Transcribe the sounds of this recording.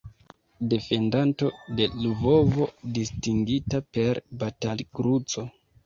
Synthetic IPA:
de̞fe̞ndanto̞de̞luvo̞vo̞distiŋɡitape̞ɾbatalɡɾut͡so̞

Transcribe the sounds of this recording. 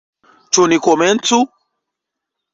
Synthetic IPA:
t͡ʃunikɔmɛn̩tu

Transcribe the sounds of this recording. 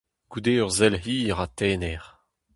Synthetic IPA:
ɡ̥ud̪eːœʁzɛlɦiːʁat̪ɛːnɛʁ

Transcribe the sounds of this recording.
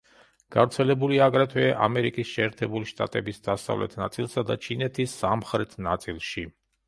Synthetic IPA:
ɡ̥avɾt̪sʰɛlɛbuliaɡɾat̪ʰwɛʔa̰mɛɾikʼisʃɛːɾt̪ʰɛbuliʃt̪ʼa̰t̪ʼɛbisd̪asa̰vlɛ̰t̪ʰnat̪sʼilˠsad̪at͡ʃʰinɛt̪ʰisːamχɾɛt̪ʰnat̪sʼilˠʃi

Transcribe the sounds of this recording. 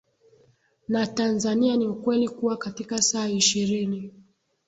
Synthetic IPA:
natanzanianiukwɛlikuwakatikasaːiʃiɾini

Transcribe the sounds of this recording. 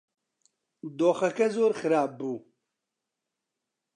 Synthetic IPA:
d̪oːxɐkɐzoːɾxɨɾaːp̚ːuː

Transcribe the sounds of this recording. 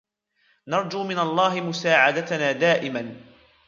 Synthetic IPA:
nɑɾˤd͡ʒuːmɪnalˤːɑːɦɪmʊsaːʕad̪at̪naːd̪aːʔɪman

